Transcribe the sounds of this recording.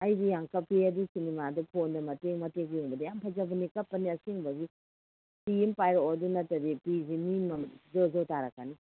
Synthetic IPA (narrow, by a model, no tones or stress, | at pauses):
ɐjdijaŋkɐpʰiɐdusinimadupʰondɐmɐteŋmɐteɡjuŋbɐdɐjampʰɐzɐbɐnikɐpːɐniɐsiŋbɐɡi | sijimpajɾɔɐdunɐtːɐdipizimimɐzozowtaɾɐkːani